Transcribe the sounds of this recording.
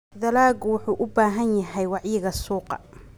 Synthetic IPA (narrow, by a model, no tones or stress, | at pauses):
ðɐlaːɡwʊħuːʔʊbaːɦɐnjɐɦɛjwɑʕjɪɣɐsuːqɑ̰